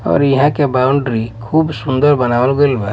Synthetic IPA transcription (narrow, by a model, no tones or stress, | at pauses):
ɔ̰ɾiɦãkebawɳɖɾikʰubsund̪ɔɾbanawalɡɔjlba